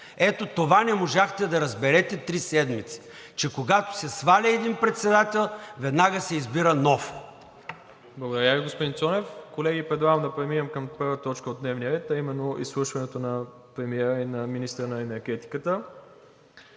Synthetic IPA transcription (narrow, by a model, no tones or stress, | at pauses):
ɛt̪ot̪ovanɛmoʒaxt̪ɛd̪ɐɾɐzbɛɾɛt̪ɛt̪ɾisɛd̪mit̪si̥ | t͡ʃɛkoɡat̪o̥sɛsvalʲiɛd̪inpɾɛt̪sɛd̪at̪ɛlˠvɛd̪naɡəsɛizbiɾənɔf | blˠɡod̪ɐɾʲjaviɡospod̪int̪sɔnɛfkolɛɡipɾɛd̪lˠaɡəmd̪ɐpɾɛminʲɛmkɐmpɤɾvət̪ɔt͡ʃkəod̪nɛvnijəɾɛt̪ɐimɛnːoʔḭslˠuʃvɐnɛt̪onɐ | pɾɛmiɛɾəinɐminist̪ɾənɐɛnɛɾɡɛt̪i̥kət̪ə